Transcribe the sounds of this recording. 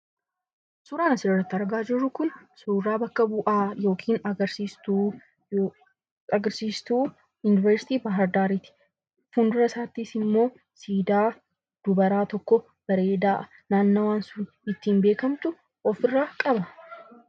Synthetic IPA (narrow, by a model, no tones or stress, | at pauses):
suːɾaːnɐsɪrːɐt̪ːɪɐɾɡaːd͡ʒɪrːʊkʊnsuːɾaːbɐkːɐbʊʔaːjo̞ːkʰiːnɐɡɐɾsiːst̪u | ɐɡɐɾsiːst̪uː | jʊnɪvɛɾsɪ̥t̪iːbɐɦɐɾd̪aːɾiːt̪ɪ̥ | fund̪ʊɾɐsaːt̪ːisɪmːo̞ː | siːd̪aː | d̪̥ʊbɐɾaːt̪ɔkːɔ | b̥ɐɾe̞ːd̪aːʔ | naːnːɐwaːnsʊn | ɪt̪ːiːmbe̞ːkɐmt̪ʊ | ɔfɪrːaːkʼɐbɐ